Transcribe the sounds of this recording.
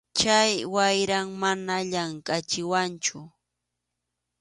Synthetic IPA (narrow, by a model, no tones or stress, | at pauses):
t͡ʃajwajɾaŋmanaʎaŋkat͡ʃɪwant͡ʃʊ